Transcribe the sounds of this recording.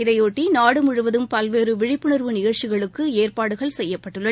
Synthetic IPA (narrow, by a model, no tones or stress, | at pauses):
ɪðɐjoːʈːinaːɽɯmʊɻɯʋɐðɯmpɐlʋeːɾɯʋɪɻɪpːɯɳɐɾʋɯnɪɣɐɭt͡ʃːɪɣɐɭɯkːɯeːrpaːɽɯɣɐɭsɛjːɐpːɐʈːɯɭːɐ